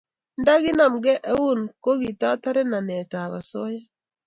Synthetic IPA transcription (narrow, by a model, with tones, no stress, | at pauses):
nda˦ɣi˦na˨mɡɛ˦ʔɛ˦u˦˨nko˦ɣi˨ta˦ta˦ɾɛ˦na˨nɛ˨ta˨βa̰˨sɔ˦ja˦